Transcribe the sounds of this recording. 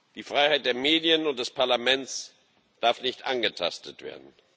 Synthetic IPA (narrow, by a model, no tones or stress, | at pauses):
d̥iːfʁ̥aɪhaɪt̚d̥eːɐmeːdiənʊnt̚d̥ɛspʰaɐlamɛnt͡s | d̥aɐfnɪçtʔanɡətʰa̰stʰətv̥ḛːɐdn̩